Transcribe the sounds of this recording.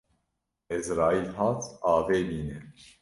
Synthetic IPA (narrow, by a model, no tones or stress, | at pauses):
ɪzɾɑːiːlɦɑːt̪ʰɑːveːmiːnɛ